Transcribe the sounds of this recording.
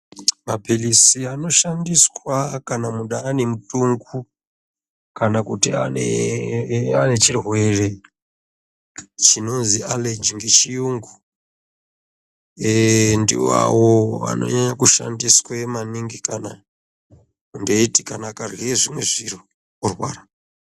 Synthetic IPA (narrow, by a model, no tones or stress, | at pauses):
mapelisiano̞ʃandiswakanamuɗaːne̞mutuŋɡu | kanakutia̰nḛ | ane̞t͡ʃirwwe̞re̞ | t͡ʃino̞nzialed͡ʒiŋɡet͡ʃiuŋɡu | endḭa̰woʋa̰no̞̰ɲaɲakuʃa̰ndiswemaniŋɡikana | undeitikanakarweʐimwe̞ʐiro | orwa̰ːɾa